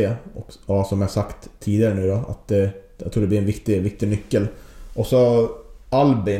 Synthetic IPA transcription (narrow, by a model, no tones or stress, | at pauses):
eːɔksɔmjɪhaʂakt̪ʰːiːd̪ɪaɾənʉ̟ːd̪ɔa̰t̪̚d̪ɛ | ja̰ɡt̪ʰɾuːɖɛlɪɾɛnvɪkt̪ɪvɪk̚t̪ɪnʏkːəlʔɔksɔ | albɪ